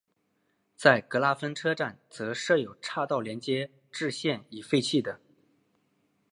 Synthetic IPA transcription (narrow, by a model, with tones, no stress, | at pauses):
t͡sa˥˩ɪkɤ˧˥la˥fə˥nʈ͡ʂʰɤ˥ʈ͡ʂa˥˩nt͡sɤ˧˥ʂɤ˥˩jo˨˩ʊʈ͡ʂʰa˥˧t̪ɑ˥˩ʊljɛ˧˥nt͡ɕjɛ˥ | ʈ͡ʂɻ̩˥˧ɕjɛ˥˩ni˨˩fe˥˧ɪt͡ɕʰi˥˩d̪ə˩